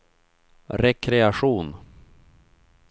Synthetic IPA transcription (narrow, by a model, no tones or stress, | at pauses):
ɾɛkʰɾɛaɧuːn